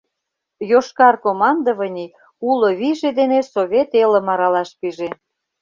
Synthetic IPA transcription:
joʃkɑrkomɑnd̪əβə̆nʲi | uloβiʒed̪enesoβʲet̪elə̆mɑɾɑlɑʃpiʒe

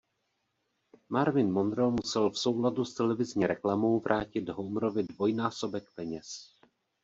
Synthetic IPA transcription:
maɾvɪnmo̞nd̪ɾɛlmusɛlfso̞wladust̪ɛlɛvɪzɲiːɾɛklamo̞wvɾʔaːcɪd̪ɦowmɾo̞vɪdvo̞jnaːso̞bɛkpɛɲɛs

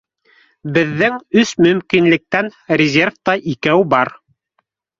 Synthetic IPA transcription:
bɘ̆ðːɘŋɵsmɵ̆mkinlɘ̆k̚t̪ænrʲɪzʲerft̪ɑʔikæwbɑɾ

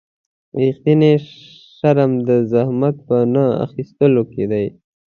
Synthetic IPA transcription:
ixt̪ine | ʂaɾamd̪əzahmat̪̚pənaa̰xist̪əloked̪aj

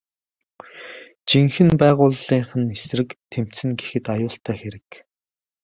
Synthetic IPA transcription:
t͡ɕiŋxɘ̆npæːʁʊːɮiːɴχə̆nesrɘ̆kt̪ʰem̥t̪sɘ̆nɡexɘ̆t̪ajʊːɬt̪æːxeɾɘ̆k

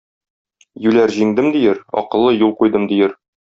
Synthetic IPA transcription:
jʉlæɾʑiŋd̪ɘmd̪ijɘɾɒ̰qɤ̆lˠːɤjulˠqujd̪ɤmd̪ijɘɾ

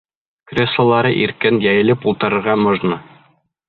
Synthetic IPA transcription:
krʲeslˠə̆lˠɑɾɤʔiɾkɘnjæjɘ̆lɘpulˠt̪ɤ̆ɾɤ̆ɾʁɑmŏʒnɤ

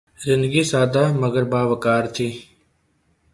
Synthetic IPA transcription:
zɪ̃nd̪əɡiːsaːd̪aːməɡəɾbaːʋəkaːɾt̪ʰiː

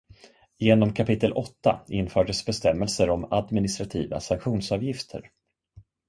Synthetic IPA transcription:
jeːnɔmkʰapɪt̪ʰːəlʔɔt̪ːa̰ɪnfœːɖəsbɛst̪ɛmːɛlsəɾɔmad̪mɪnɪst̪ɾat̪ʰiːva̰saŋkɧuːnsɑːvjɪft̪ʰə̰ɾ

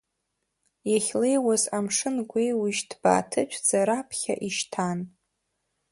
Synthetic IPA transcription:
jaχʲlejwazamʂɨnɡʷejwɪʒtʰb̥a̰ːtʰɨt͡ʃʷʰd͡zaɾapʰχʲa̰ʔiʃtʰan

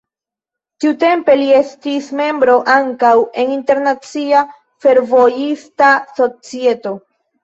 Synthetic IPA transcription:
tiute̞mpe̞lie̞stisme̞mbɾo̞ʔaŋkawe̞ninte̞ɾnat͡sia | fe̞ɾvo̞jistaso̞t͡sie̞to̞

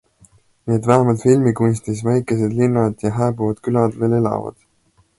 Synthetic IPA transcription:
neːd̪væɦemɑlt̪filmikunʲst̪isvæjkˑe̞se̞d̪linːɑd̪̥jɑɦæːbuvɑd̪̥kylɑd̪̥ve̞ːle̞lɑ̰vɑ̰d̪̥

